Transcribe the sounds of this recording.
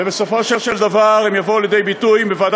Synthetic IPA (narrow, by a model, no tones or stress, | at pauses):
ebeso̞fo̞ʃeʃeld̪avaʁemjavoualjed̪e̞jbit̪ujmbevad̪